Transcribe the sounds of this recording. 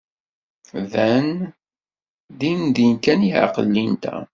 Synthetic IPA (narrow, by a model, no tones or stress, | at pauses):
ðæn | d̪imd̪inkæniʕa̰qəlːint̪æ̰